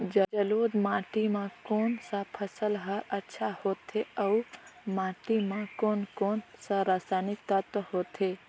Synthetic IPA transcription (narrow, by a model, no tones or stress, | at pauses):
d͡ʒəd͡ʒəlod̪maːʈimãkonsapʰəsəlɦaɾətːʃʰahot̪ʰeəumaʈimãkonkonsaɾasanɪk̚t̪at̪oɦot̪ʰe